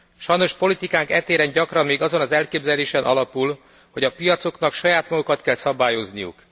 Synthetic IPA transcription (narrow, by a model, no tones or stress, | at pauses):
ʃɒjno̞ʃpo̞lit̪ikaːŋkɛt̪eːɾɛnɟɒkrɒmmeːɡɒzo̞nɒzɛlkeːbzɛleːʃɛnʔɒlɒpul | ho̞ɟɒpijɒt̪so̞knɒkʃɒjaːt̪mɒɡokɒt̪kɛlsɒbaːjo̞znijṵk